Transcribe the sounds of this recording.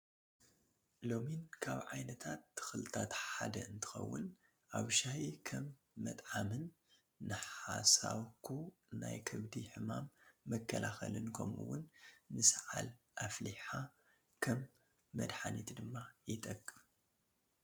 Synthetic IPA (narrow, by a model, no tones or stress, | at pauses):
lo̞minkʰaβʕajnɐt̪ʰat̪ːɨ̥xɨlɨt̪ʰat̪ħad̪ɐʔɨnt̪ʰɨ̥xɐ̰wːʊn | ʔaβʃahikʰɐmː | ɐt̪ʼʕamɨnː | ɨħasaβkʰuna̰jkʰɨβd̪iħɨmamːɐkʰːɐlʔaxɐ̰lɨnkʰo̰mṵwːʊnːɨsʕalʔafliħa | kʰɐmː | ɐ̰d̪ħanit̪ʰd̪ɨmːajɪt̪ʼɐkʼː